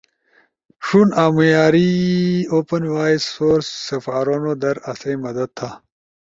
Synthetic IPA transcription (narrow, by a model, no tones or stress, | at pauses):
ʂunaːmujaːɾioːpɐnwaːisːoːɾsːɐfaːɾonod̪ɐɾɐsemɐd̪ɐd̪̚t̪ʰa